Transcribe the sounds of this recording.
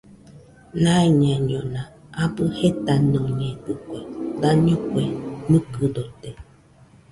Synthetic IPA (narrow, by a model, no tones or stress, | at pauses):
nãeɲãɲõnã | abɨhet̪anõɲẽd̪ɨkʷed̪aɲõkʷemɨ̃kɨd̪ot̪e